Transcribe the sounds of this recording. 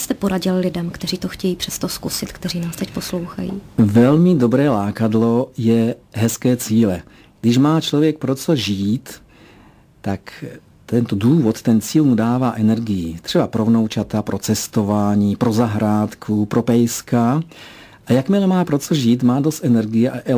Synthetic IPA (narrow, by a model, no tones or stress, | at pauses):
st̪ɛpoɾaɟɪllɪdɛmkt̪ɛriːt̪oxcɛjiːpr̥ɛst̪oskusɪt̪kt̪ɛriːnaːst̪ɛcposlowxa̰jḭːvɛlmɪdo̞bɾɛːlaːkadlo̞jɛɦɛskɛːt͡siːlɛ | ɡ̥dɪʃmaːt͡ʃlovjɛk̚pɾo̞t͡so̞ʒiːt̪ː | ak | t̪ɛnt̪oduːvot̪t̪ɛnt͡siːlmudaːvaːʔɛnɛɾɡɪjit̪r̥ɛbapɾovno̞wt͡ʃat̪apɾʔo̞t͡sɛst̪o̞vaːɲiːpɾo̞zaɦɾaːt̪kʰupɾo̞pɛjska | ʔajakmɪlɛmaːpɾot͡soʒiːt̪maːdost̪ʔɛnɛɾɡɪjɛʔaʔɛ